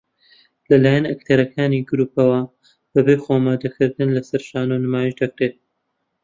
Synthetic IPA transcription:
lɐlaːjɐnɐkt̪ʰɐɾɐkʰaːniɡɨɾuːpɐwɐ | b̥ɐbejxomaːd̪ɐkʰɨɾd̪ɨnlɐsɐɾʃaːnonɨmaːjiʃd̪ɐk̚ɾet̪̚

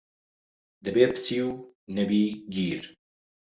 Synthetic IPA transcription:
d̪ɨbeːpʰɨ̥t͡siːw | nɛbiːɡiːɾ

